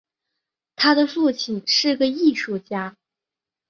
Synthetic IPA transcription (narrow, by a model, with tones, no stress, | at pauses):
t̪ʰa˥d̪ə˨fu˥˩t͡ɕʰi˨˩nʂɻ̩˥˩˥ɡə˧i˥˧ʂu˥˩t͡ɕja˥